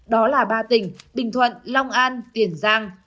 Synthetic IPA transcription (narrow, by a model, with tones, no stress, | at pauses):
ɗɔ˨˦laː˨˩ɓaː˧t̪ï˨˩ŋ̟ɓï˨˩ŋ̟t̪ʰwə̰˧˨nla˧wŋ͡mʔaː˧nt̪i˨˧˩ənzaː˧ŋ